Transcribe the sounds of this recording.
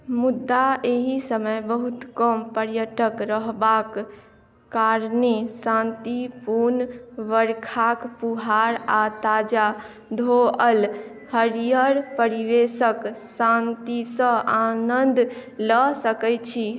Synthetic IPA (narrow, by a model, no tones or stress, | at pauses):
mud̪ːaeɦisəməjbəɦut̪kəmpəɾjəʈəkɾəɦbakː | aɾnesãnt̪ipuɾnʋəɾkʰakpuɦaɾat̪ad͡ʒa | d̪ʱoəl | həɾijəɾpəɾiʋesəksãnt̪isə̃anənd̪ləsəkɛjt͡ʃʰi